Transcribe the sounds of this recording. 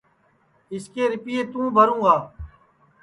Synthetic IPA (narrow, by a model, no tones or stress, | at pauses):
ɪskeːɾɪpieːt̪ũːbʱəɾũːɡaː